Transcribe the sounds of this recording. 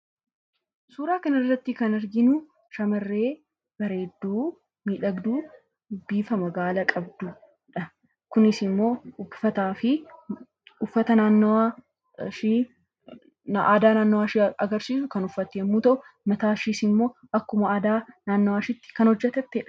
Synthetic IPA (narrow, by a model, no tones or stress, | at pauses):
suːɾaːkɐnɪrːɐt̪ːɪkɐnɐɾɡɪnʊ | ʃɐmɐrːe̞ː | b̥ɐɾe̞ːd̪ːuː | miːᶑɐɡd̪uː | biːfɐmɐɡaːlɐkʼɐbd̪ʊ | ᶑɐ | kʊnɪsɪmːo̞ːʊfɐt̪aːfɪ | ʊfːɐt̪ɐnaːnːa | ʃi | ʔaːd̪aːnaːnːɔwaːʃɐɡɐɾsiːsʊkɐnʊfːɐt̪ːeːmːuːt̪ɐʔʊ | mɐt̪aːʃiːsɪmːo̞ːʔɐkːʊmɐːd̪aːnaːnːɔwaːʃɪt̪ːɪ̥kɐnhɔd͡ʒːɛt̪ɛt̪ːeːᶑɐ̥